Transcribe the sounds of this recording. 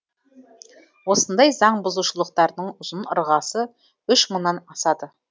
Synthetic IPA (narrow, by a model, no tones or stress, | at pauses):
wo̞sənd̪ɑjzɑɴbʊzuʃəlˠəqt̪ɑɾd̪əɴʊzənə̰ɾʁɑsə | ʏʃməɴnɑnɑsɑd̪ə